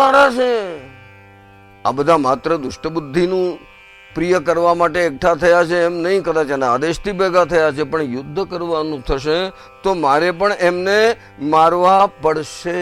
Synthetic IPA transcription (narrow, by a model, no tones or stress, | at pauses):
aɾat͡ʃʰe | a̰bəd̪ʱamat̪ɾəd̪ʊʃʈəbʊd̪ʱːinũ | pɾijəkəɾʋamaʈeːk̚ʈʰat̪ʰəjat͡ʃʰeːmnəɦĩkəd̪at͡ʃanaad̪eʃt̪ʰibɛɡʱat̪ʰəjat͡ʃʰepəɳjʊd̪ʱːəkəɾʋanũt̪ʰəʃe | t̪omaɾepəɳemne | maɾʋapəɽʃe